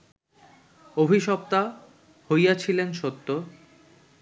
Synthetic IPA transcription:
obʱiʃɔp̚t̪a | hojat͡ɕʰilenʃot̪ːo

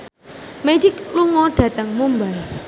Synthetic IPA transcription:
med͡ʒɪkluŋɔɖ̥ä̤t̪əŋmumbai

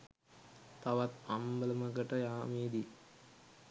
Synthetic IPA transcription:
t̪aʋat̪ambələməɡəʈəjaːmeːd̪i

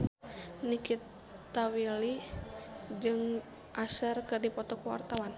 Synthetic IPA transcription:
nikit̪ː | awili | d͡ʒɨŋ | ʔasərkɨrdipɔt̪ɔkuwa̰rt̪awan

